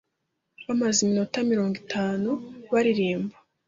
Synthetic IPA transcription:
βamazimino̞tamiɾo̞ːŋɡitʰaːnuβaɾiɾiːmba

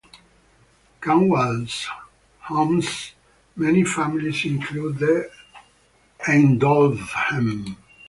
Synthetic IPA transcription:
kãnwalz | hɔ̃ms | mɛnifæmilizĩŋkʰlud̪ | ɛ̃nd̪ɔlvhɛ̃m

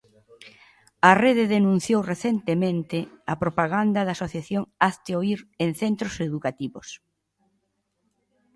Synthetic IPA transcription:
ɐreðɪðenũn̟θjowreθent̪emẽnt̪ɪɐpɾopaɣand̪ɐðasoθjaθjoŋaθt̪eoiɾenθent̪ɾoseðukat̪iβos

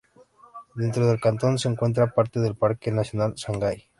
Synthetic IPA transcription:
d̪e̞nt̪ɾoð̞elkant̪o̞nseːŋkwe̞nt̪ɾapaɾt̪e̞ðe̞lpaɾkenasjo̞nalsaŋɡaj

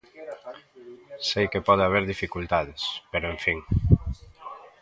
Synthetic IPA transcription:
sejkepɔð̞eaβ̞eɾðifikult̪að̞espeɾoẽɱfiŋ

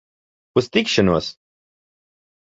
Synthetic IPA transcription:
ust̪ikʃɔnuɔəs

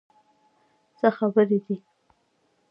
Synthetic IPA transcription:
t͡səxabəɾed̪i

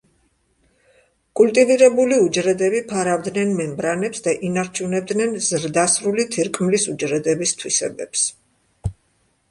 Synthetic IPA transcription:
kʼult̪ʼiviɾɛbuliud͡ʒɾɛd̪ɛbipʰaɾavd̪nɛnmɛmbɾanɛpsd̪aʔinaɾt͡ʃʰunɛb̚d̪nɛnzɾd̪asɾulit̪ʰiɾkʼmlisud͡ʒɾɛd̪ɛbist̪ʰwisɛ̰bɛps

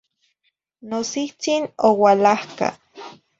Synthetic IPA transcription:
nosiht͡sinowalahka̰

